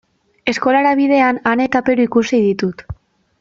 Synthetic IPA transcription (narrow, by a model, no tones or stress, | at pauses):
e̞sko̞laɾaβiðe̞anane̞t̪ape̞ɾuikusið̞it̪ut̪